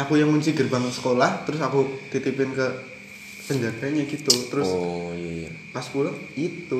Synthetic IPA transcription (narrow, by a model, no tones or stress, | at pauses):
akujaŋmuɲt͡ʃiɡərbaŋəsə̥kolaht̪əɾʊs̬akut̪it̪ipɪnkə | səndadaɲaɡit̪ut̪əɾʊs | paspulait̪u